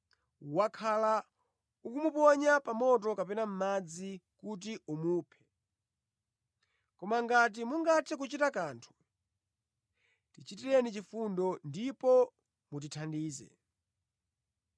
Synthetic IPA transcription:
wakʰala | ukumupɔɲapamɔt̬ɔkapɛnam̩mad͡zikut̬iumuːpʰɛ̥ | kɔmaŋɡat̬imuŋɡatʰɛk̬ut͡ʃitakaːntʰu̥ | tit͡ʃitiɾɛnit͡ʃifundɔndipɔ | mut̬itʰandiːzɛ̰

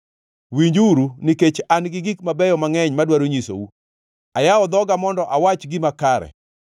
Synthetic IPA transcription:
wiɲd͡ʒuɾuniket͡ʃanɡɪɡik̚mabɛjɔmaŋɛɲmadwaɾoɲiso̰wu | ajaɔd̪ɔɡamɔndɔʔawat͡ʃɡɪmakaɾɛ̰

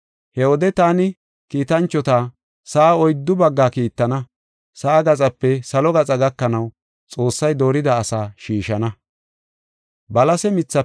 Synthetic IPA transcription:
hɛwɔd̪ɛt̪aːnɪ | kiːt̪ɐnt͡ʃːɔt̪aː | saʔːɔjd̪ːʊbɐɡːaːkiːt̪ːɐnɐ | sɐːɡɐt͡sʼɐpːɛsɐlɔɡɐt͡sʼɐɡɐkːɐnɐw | t͡sʼo̞ːsːɐjd̪o̞ːɾɪd̪ɐːsaːʃiːʃɐnɐ | bɐlɐsɛmɪt͡sːɐ

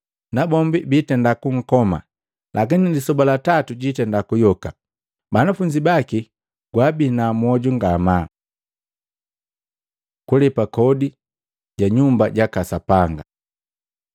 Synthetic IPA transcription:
nabɔmbibitɛndakuŋ̩kɔma̰ | lʔakinilisɔbalatatuɟitɛndakujɔka | banafuɲd͡ʒibaki | ɡwabinamwɔɟuŋɡama | kulɛpakɔdi | ɟaɲumbaɟakasapaŋɡa

